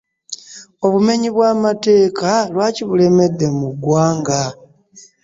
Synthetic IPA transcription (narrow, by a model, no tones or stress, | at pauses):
o̞βume̞ɲiβwaːmate̞ːkalwaːciβule̞me̞dːe̞muɡwaːŋɡa